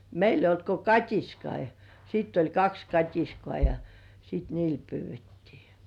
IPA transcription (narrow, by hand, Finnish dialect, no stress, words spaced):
meil eijˑ olt ko kɑtʲiskɑi jɑ sitː olʲ kɑks kɑtʲiskŏɑˑ jɑ sit niːl pyːʋˑetːiː